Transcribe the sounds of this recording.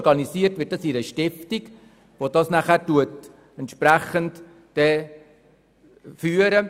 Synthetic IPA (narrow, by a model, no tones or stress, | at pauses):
ɾɡ̥ɑnisiːəɾtʋɪːt̚d̥ɑsiɾəʃtɪftiɡ | ʋod̥ɑsnæχæːɾtuət | ɛntʃpɾæχənt | d̥ɛ | fyːəɾə